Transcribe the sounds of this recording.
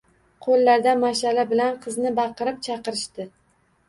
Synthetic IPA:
qʰolːaɾd̪amaʃalabɪlanqʰɨznɪbɑqɨɾɪp̚t͡ʃʰɑqɨɾɪʃt̪ɪ

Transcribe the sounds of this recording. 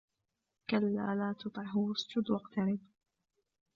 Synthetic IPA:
kalːa̰ːlaːt̪ʊt̪ˤʕɑɦʊwʊsd͡ʒʊd̪wɑqt̪aɾɪb

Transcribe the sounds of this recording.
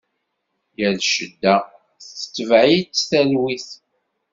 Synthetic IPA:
jəlʃəd̪ːæ | θt͡sːə̥t͡sːəvʕit͡sːθælwiθ

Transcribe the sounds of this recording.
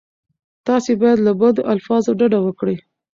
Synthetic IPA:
t̪ɑsebɑjad̪labad̪oʔalfɑzoɖaɖawəkɽi

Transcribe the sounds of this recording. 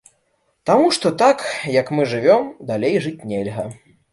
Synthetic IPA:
t̪amuʂt̪ɔt̪akjɐkmɨʐɨvʲɔmd̪alʲejʐɨt͡sʲnʲɛlʲɣɐ

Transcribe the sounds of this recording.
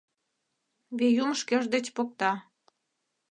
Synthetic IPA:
βejumʃkĕʒd̪ĕt͡ɕpok̚t̪ɑ

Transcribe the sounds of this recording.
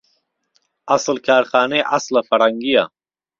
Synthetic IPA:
ɐslkʰaːɾxaːneʔɐslɐfɐɾɐŋɡija̰

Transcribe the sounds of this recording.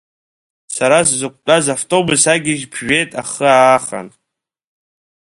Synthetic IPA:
saɾaszɨkʷʼt͡pʼazaftʼo̞bʊsaɡʲɪʒpʰʒᶣe̞tʼaχəaːχa̰n

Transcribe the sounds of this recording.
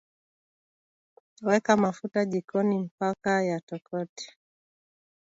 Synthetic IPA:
wɛkamafutaʄikɔnim̩pakajatɔkɔtɛ̥

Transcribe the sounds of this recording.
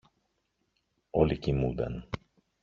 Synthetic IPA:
olicimud̪ḛn

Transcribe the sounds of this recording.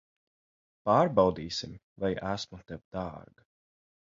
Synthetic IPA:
paːɾbɑwd̪iːsim | vajæsmut̪ɛwd̪̥ɑːɾɡa

